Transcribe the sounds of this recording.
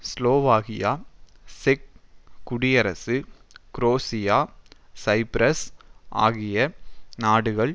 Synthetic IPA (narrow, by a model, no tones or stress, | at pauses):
sloːʋaːɣɪjaːsɪk̚ːʊɽɪjɐɾɐsɯkɾoːsɪjaːsɐɪpɾɐsʔa̰ːɣɪjɐnaːɽɯɣɐɭ